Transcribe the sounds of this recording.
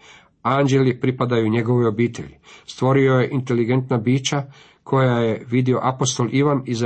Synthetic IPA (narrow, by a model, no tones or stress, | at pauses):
and͡ʑe̞lipɾipad̪ajuɲe̞ɡo̞ʋeo̞biːt̪ʰe̞̰ʎist̪ʋo̞ɾio̞je̞ʔint̪e̞liɡe̞nt̪nabiːt͡ɕa | kʰo̞jaje̞ʋid̪io̞ʔapo̞st̪o̞lʔiʋaniz